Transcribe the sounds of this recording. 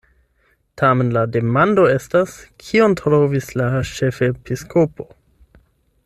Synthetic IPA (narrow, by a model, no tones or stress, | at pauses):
tʰame̞nlade̞mando̞e̞staskʰiontɾovislaʃe̞fe̞piskʰopo̞